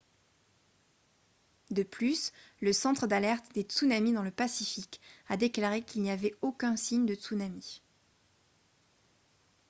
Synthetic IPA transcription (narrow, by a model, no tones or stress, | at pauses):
d̪əplysləsɑ̃t̪χəd̪alɛʁt̪d̪et̪sunamid̪ɑ̃ləpasifikad̪eklaʁekʲilnijavɛokʲɛ̃siɲd̪ət̪sunami